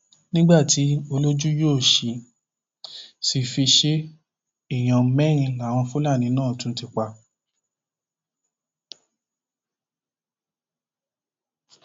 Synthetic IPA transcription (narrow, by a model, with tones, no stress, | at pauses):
nĩ˦ɡ͡ba˦˨ti˨˦o˧lo˦d͡ʒu˦joː˦˨ʃi˨ | si˧fi˧ʃe˦ | i˦˨j̃ã˨˦mɛ̃˦ɾ̃ĩ˧la˨˦˨w̃ɔ̃˧fu˦la˦˨nĩ˨˧˦nãː˦˨tũ˨˧˦ti˧k͡pa˧˨